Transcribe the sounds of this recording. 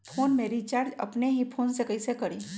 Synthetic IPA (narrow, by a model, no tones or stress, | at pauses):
pʰoːnmeːɾit͡ʃaːɾd͡ʒɐ̰pneɦipʰoːnsekəisekɐɾiː